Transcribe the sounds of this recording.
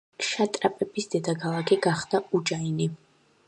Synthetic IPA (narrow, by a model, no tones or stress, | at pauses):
ʃat̪ʼɾapʼɛbisd̪̥ɛd̪akʰalˠakʰiɡaχd̪̥aud͡ʒaini